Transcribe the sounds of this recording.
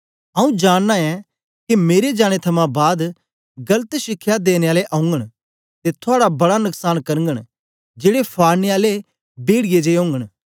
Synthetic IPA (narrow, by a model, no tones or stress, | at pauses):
ɐũd͡ʒaːɽ̃ːaɛ̃ | kimeːɾed͡ʒaːɽ̃et̪ʰɐmãbaːd̪ | ɡɐlət̪ʃɪkʰːjad̪eːneaːleʔɐʊ̃ŋɡəɽ̃ | t̪et̪ʰʊaːɽabɐɽanʊksaːnkɐɾə̃ŋɡəɽ̃ | d͡ʒeːɽepʰaːɾneaːle | beːɽɪjed͡ʒeɦõːŋɡəɽ